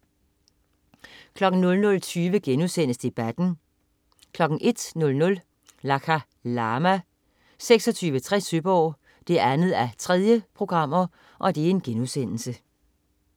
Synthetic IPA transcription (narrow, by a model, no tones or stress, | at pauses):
kʰlɒ̽ɡ̥n̩nɔ̽lnɔ̽lt͡sʰyːʋəɡ̥enuðˠsen̰əsd̥e̝b̥æd̥n̩ | kʰlɒ̽ɡ̥n̩ʔe̝d̥nɔ̽lnɔ̽l | lɑkʰæ | lɑːmæ | seɡ̥sɒ̽t͡sʰyːʋət͡sʰʁɛsybɒ̰ː | d̥e̝æɐænð̞̩ˠæt͡sʰʁɛð̞ˠjəpʰʁo̝ɡ̥ʁɑ̈m̰ɐ | ʔɒ̽d̥e̝æɐe̝nɡ̥enuðˠsen̰l̩sə